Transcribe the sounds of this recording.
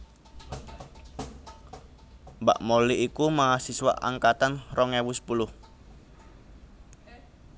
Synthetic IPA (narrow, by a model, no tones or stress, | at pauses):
mba̰ʔmoliʔikumaasiswa̰ʔa̰ŋkat̪anrɔŋewusə̥pulʊh